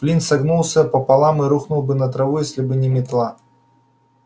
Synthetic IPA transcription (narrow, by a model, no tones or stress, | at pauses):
plʲinsɐɡnulˠsʲəpəpɐlˠamɨɾuxnʊlˠbɨnət̪ɾɐvujesʲlʲɪbɨnʲɪmʲɪt̪lˠa